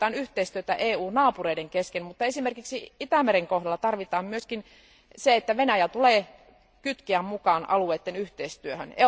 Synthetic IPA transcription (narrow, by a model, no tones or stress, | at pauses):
ɑːnyht̪eist̪yøt̪æʔeːuːnnɑːpureideŋkeskenmut̪ːɑesimerkiksiit̪æmeɾeŋkohdɑlːɑt̪ɑrʋit̪ɑːmmyøskin | seet̪ːæʋenæjæt̪uleː | kyt̪kiæmmukɑːnʔɑ̰lueːt̪ːenyht̪eist̪yøhø̰nḛ